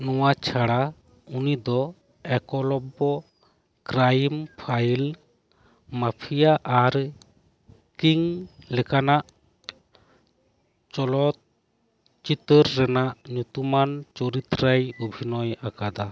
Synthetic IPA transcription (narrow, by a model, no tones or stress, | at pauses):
nɔwat͡ʃʰaɽa | unid̪ɔ | ɛkɔlɔbɔ | kɾajmpʰajl | mapʰijaʔaɾ | kiŋlɛkanaʔ | t͡ʃɔlɔt̪̚ | t͡ʃit̪əɾːɛnaʔɲut̪umant͡ʃɔɾit̪ɾajubʱinɔjakad̪a